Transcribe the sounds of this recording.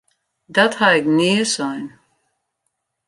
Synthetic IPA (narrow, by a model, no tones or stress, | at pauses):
dathaɛkniəsɔjn